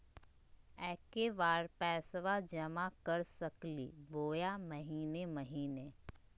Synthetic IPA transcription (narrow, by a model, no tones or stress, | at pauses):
ɛːkeʋaːɾpɛːsʋad͡ʒɐmakəɾsəklḭboːjaməɦiːneməɦiːneː